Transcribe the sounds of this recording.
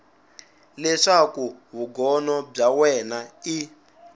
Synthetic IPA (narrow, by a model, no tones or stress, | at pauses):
lɛʂakuβuɡɔnɔb͡ʐawɛnai